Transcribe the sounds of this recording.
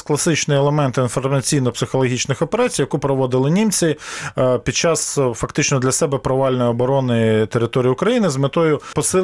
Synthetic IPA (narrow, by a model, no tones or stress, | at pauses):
klˠɐsɪt͡ʃnɪɛlˠemɛnt̪ɪinfɔrmɐt͡sʲijnɔpsɪxɔlˠɔɦʲit͡ʃnɪxɔpeɾɑt͡sʲijɐkupɾɔʋɔd̪ɪlˠɪnʲimt͡sʲipʲid̪̚t͡ʃɑsfɐkt̪ɪt͡ʃnɔd̪lʲɐsɛbɛpɾɔʋɑlʲnɔjɔbɔɾɔnɪt̪eɾɪt̪ɔɾʲijʊkɾɐjinɪzmet̪ɔjʊpɔsɪ